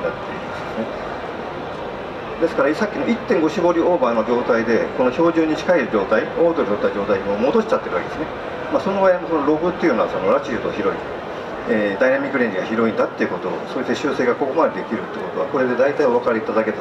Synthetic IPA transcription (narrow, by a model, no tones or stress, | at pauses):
iat̪ːeimasne | d̪e̞sɨ̥kaɾaisakʲːinoit̪ːẽŋɡo̞ɕiɡo̞ɾʲio̞ːbano̞d͡ʑo̞ːt̪aid̪e̞ko̞no̞ço̞ːʑɨːɲ̟ːit͡ɕi̥kaeɯd͡ʑo̞ːt̪aioːd̪oot̪aid͡ʑo̞ːt̪aiɲimo̞mo̞d̪o̞ɕi̥t͡ɕat̪ːe̞ɾɯβaked̪esɨne | maːso̞no̞baiimo̞sonoɾo̞ɸɯ̟t̪ːeiɯ̟noaso̞no̞ɾad͡ʑiɯt̪oçiɾo̞ḭ | eːd̪ainamʲikːɯɾẽɲʲd͡ʑʲiɡaçiɾo̞ĩnd̪at̪ːe̞iɯ̟ko̞t̪o̞̰ːsoːiseɕɨːse̞ːɡako̞ko̞mad̪ed̪e̞kʲiɾɯ̟t̪ːekot̪o̞a̰ko̞ɾe̞d̪e̞d̪ait̪aio̞βakaɾeit̪ad̪ake̞t̪